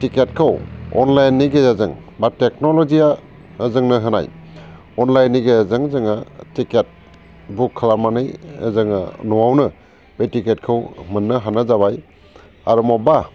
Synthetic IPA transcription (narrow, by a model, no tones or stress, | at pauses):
tiket̚kʰɯwɔ̰nlajnːiɡejazɯŋbatek̚nolɔzija | əzɯŋnɯɦɯna̰j | ɔnlajnːiɡejazɯŋzɯŋatiket̚ | bukʰːalamanɯjə̰zɯŋa̰nɔwawnɯ | betiket̚kʰɯwmɯnːɯɦanazabaj | a̰ɾumɔba